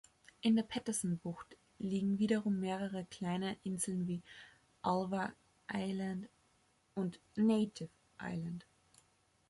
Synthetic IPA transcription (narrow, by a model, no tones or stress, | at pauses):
ʔɪndeːɐpʰɛtɐzn̩bʊxt | liːɡŋ̩viːɾɐʁʊmːeːʁəʁəkl̥aɪnəʔɪnzl̩nviː | ʔalvɐ | ʔaɪlant | ʔʊnt | neɪtʰɪf | ʔa̰ɪlant